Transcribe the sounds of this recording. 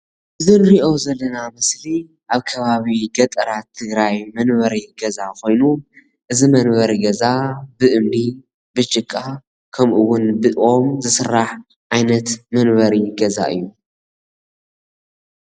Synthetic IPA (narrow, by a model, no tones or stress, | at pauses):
ʔɨzɨnɾiʔo̞zɐlːɐnamɐsli | aβkʰɐβaβiɡɐt̪ʼɐɾat̪ʰːɨɡɾajmɐnβɐɾiɡɐzakʰo̞jnu | ʔɨzimɐnβɐɾiɡɐzabɨʔɨmli | bɨt͡ʃʼɨkʼːa | kʰɐmʔɨwʊnbɨʔo̞mzɨsɨrːaħ | ʔajnɐt̪mɐnβɐɾiɡɐza̰ʔɨ̰jːu